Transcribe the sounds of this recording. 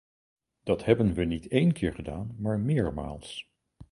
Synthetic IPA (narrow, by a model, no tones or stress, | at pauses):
d̥ɑtɦɛbənʋənitejnkɪːɹχədaːnmaːɹmɪːɹma̰ːlˠs